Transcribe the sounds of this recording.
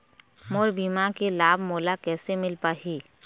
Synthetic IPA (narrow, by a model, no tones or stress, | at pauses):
moːɾbiːmakelaːbmoːlakɛːsemɪlpaːɦiː